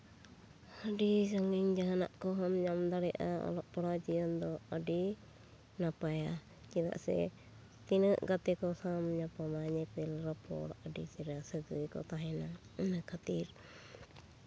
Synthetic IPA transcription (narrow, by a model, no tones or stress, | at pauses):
əɖisaŋiɲd͡ʒaɦana̰ʔkɔɦɔmɲamd̪aɽɛʔa̰ɔ̰lɔʔpɔɽad͡ʒijɔnd̪ɔəɖi | napaja | d͡ʒina̰ʔsɛ̰ | t̪inəʔɡat̪ɛkɔsamɲapamaɲɛpɛlɾɔpɔ̰ɽʔəɖit͡ʃɛɾasəd͡ʒujkɔ̰t̪aɦɛnanakʰat̪iɾ